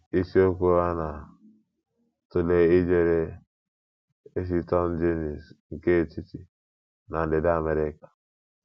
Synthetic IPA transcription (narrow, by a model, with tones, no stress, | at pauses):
i˦si˦o˦ku˦a˦na˨ | tu˨le˦i˦d͡ʒe˦ɾe˦ | e˦s̬i˦tɔ˦nd͡ʒe˦ni˨sŋ˨ke˦˨ti˦ti˨ | na˨de˨da˦˨me˨ɾe˦kḁ˨